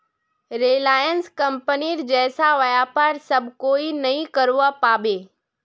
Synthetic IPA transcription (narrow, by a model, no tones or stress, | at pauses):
ɾeːlaːjənskəmpəniɾd͡ʑɛːsaʋɐjapaɾsɐbʱkoːinɐĩkəɾuapaːɓeː